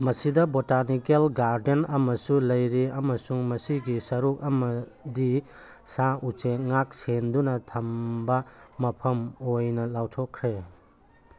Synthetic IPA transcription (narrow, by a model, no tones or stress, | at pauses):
mɐsidɐbotanikelɡaɾdenɐmɐsulɐjɾiɐmɐsuŋmɐsiɡisɐɾuk̚ɐmɐdi | saut͡ʃeŋak̚sendunɐtʰɐmbɐmɐpʰɐmojnɐlawtʰokʰːɾe